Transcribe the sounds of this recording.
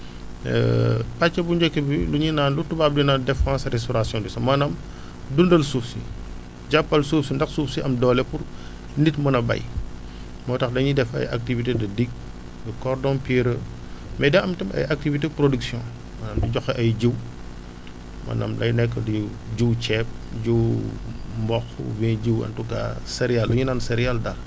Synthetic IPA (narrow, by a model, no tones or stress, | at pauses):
ɛ̰pat͡ʃːɐbuɲd͡ʒɛkːebiluɲinaːnlutːubab̚dinadɛfãːsɾɛstɔɾasjɔ̃ndisɐmɐnam | dundɐlsufsḭ | ɟapːɐlsufsindɐxsuːfsiʔɐmdɔːlɛpuɾ | nitmɐnɐbɐ̰j | mɔtɐxdɐɲidɛfɐ̰jʔa̰k̚tivitedɐdiɡ̚ | dɐkɔɾdɔ̃npiɾə | mɛdɐɐmtɐmɐ̰jʔak̚tivit̬epɾoduksjɔ̃ | mɐnamdiɟɔxɛʔɐjɟiw | mʔɐ̰na̰mlɐ̰jnɛkːədi | ɟuwt͡ʃɛp̚ɟuw | mbɔxṵvɛ̃ɟiwɐ̰ntuka̰sɛɾijalːuɲunansɛɾijaldɐr